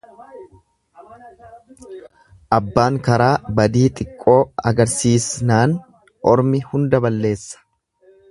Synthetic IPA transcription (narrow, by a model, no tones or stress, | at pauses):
ʔɐbːaːŋkɐɾaːbɐd̪iːt̪ʼɪkʼːo̞ːɐɡɐɾsiːsnaːn | ʔɔɾmɪhʊnd̪ɐbɐlːe̞ːsːɐ̥